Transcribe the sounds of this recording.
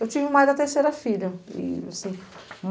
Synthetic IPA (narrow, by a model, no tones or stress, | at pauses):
ewt͡ʃivɪmajd̪ɐt̪eɾsejɾɐfiʎɐɪ̰asĩm